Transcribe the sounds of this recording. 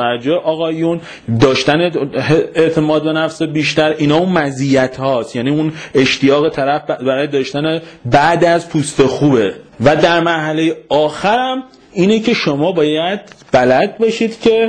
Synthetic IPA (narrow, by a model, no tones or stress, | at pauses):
æd͡ʒoeʔɒːɣɒːjun | d̪ɒːʃt̪æneeeʔt̪ʰe̞mɒːd̪̚be̞næfsebiːʃt̪æɾʔinɒːunmæzijæt̪ʰhɒːst̪jæːniːune̞ʃt̪ijɒːɣe̞t̪ʰæɾæfbæɾɒːjed̪ɒːʃt̪ænebæʔd̪æzpʰuːst̪e̞xuːbe̞væd̪æɾmæɾhælejeɒːxæɾæm | iːnecʰe̞ʃomɒːbɒːjæd̪̚b̥ælæd̪̚beʃiːd̪̥cʰe̞